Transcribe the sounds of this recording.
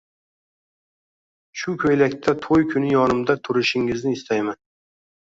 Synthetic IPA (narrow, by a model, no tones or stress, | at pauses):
ʃʊkʰʲɵjlakʲt̪ʰat̪ʰojkʲʰʊnɪjɒnɪmd̪at̪ʰʊɾɪʃɪŋɪznɪːst̪ʰajman